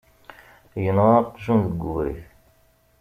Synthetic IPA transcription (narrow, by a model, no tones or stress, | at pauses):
jənʁɑqʒunðəɡːuvɾḭç